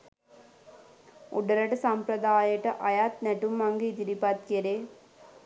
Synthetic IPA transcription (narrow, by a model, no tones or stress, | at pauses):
ṵɖɐɾɐʈɐsɐmpɾɐd̪aːjɐʈɐʔɐjaːt̪nɛʈumːɐŋɡɐit̪iɾipat̪keɾeː